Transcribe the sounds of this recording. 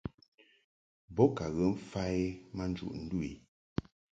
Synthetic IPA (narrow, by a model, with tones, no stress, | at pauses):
bɔ˦ka˨ɣə˨˦m̩˦fa˦e˦ma˦n˦d͡ʒṵ˨ʔn̩˦du˦ḭ˨